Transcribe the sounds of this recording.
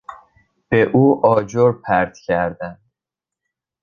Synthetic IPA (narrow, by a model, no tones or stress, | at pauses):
b̥eʔuːʔɒːd͡ʒoɾpʰæɾd̪̥cʰæɾd̪æn